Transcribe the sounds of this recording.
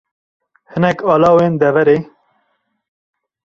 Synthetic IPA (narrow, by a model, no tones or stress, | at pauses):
hɨnɛkɑːlɑːweːnd̪ɛvɛɾeː